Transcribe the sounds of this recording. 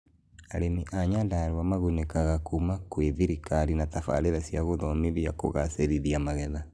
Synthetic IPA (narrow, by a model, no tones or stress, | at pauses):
aɾemiʔaɲandaːɾwamaɣunekaɣakumakweðiɾikaɾinatafa̰ɾeɾasjaɣoðɔmeðiako̰ɣaseɾiðiamaɣɛða